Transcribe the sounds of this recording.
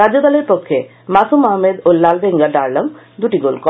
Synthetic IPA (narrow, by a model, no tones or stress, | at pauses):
ɾad͡ʒod̪ɔleɾpɔkʰːje | masumɔɦmed̪olːalbeŋɡaɖaɾləŋ | d̪uʈiɡolkɔ